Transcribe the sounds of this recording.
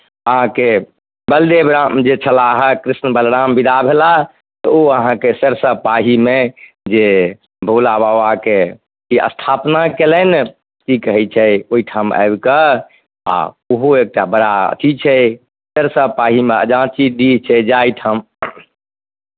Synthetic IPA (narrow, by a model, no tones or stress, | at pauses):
əɦãke | bəld̪ebɾamd͡ʒet͡ʃʰəlaɦɛkɾisnbəlɾambid̪ʱabʱela | t̪ɔoəɦãkesəɾsəpaɦime | d͡ʒe | bʱulabawake | kiə̰st̪ʰapnakelən | kikəɦɛt͡ʃʰɛoiʈʰama̰ebkə | a̰ | uɦoek̚ʈabəɾaə̰t̪ʰit͡ʃʰɛ | səɾsəpaɦimeə̰d͡ʒãt͡ʃid̪it͡ʃʰɛd͡ʒait̪ʰəm